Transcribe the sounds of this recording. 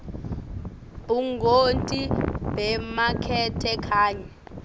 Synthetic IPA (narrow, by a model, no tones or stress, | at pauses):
b̥uŋɡontʼibɛmakʰɛtʰɛkʰaːɲɛ